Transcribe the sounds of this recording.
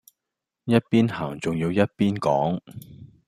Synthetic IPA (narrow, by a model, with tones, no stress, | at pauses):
jɐ˥t̚piː˥nhaː˨˩ŋt͡sʊ˨ŋjiː˧wjɐ˥t̚piː˥nkɔː˨˥ŋ